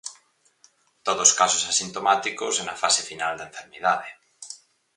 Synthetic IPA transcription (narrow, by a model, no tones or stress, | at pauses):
t̪oðoskasosasint̪omat̪ikosɛnafasefinald̪aẽɱfeɾmeðaðe